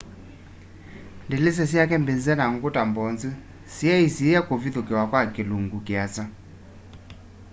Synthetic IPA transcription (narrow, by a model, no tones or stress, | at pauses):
ndelɪs̬ɛs̬iakɛmbend͡zɛnaŋ̩ɡʊtambɔnd͡zi | siaisiakoviðokɛwakwakɪluŋɡukɪat͡sa